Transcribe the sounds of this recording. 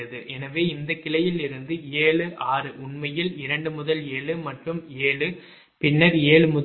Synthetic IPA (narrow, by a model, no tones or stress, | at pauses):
ɐðɯʔɛnɐʋeːɪnd̪ɐkːɪɭɐjɪlɪɾɯnd̪ɯeːɭɯʔaːɾɯʔʊɳmɐjɪlɪɾɐɳɖɯmʊðɐleːɭɯmɐʈrɯmeːɭɯ | pɪnːɐɾeːɭɯmʊ